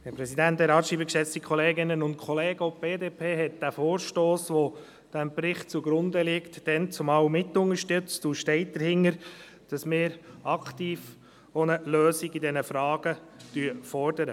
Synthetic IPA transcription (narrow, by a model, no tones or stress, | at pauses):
hɛɾpɾɛsidænthɛɾɑːtʃiːbəkʃɛt͡stikʰχɔleːɡɪnənʊnt̚kʰχɔleːɡ̥əob̥eːdeːpʰeːɦɛt̚d̥æfoːɾʃtoːsʋo | d̥æmpɾɪχtt͡suɡɾʊnd̪əlɪktd̥ɛnt͡sʊmɑwmɪtʊŋəʃtʏt͡stuʃtɛɪt̚d̥əɾhɪnːəɾ | d̥ɑsmɪːɾɑktiːf | onəløːsiɡidɛnəfɾɑːɡ̥ə | d̥yəfɔrd̥əɾə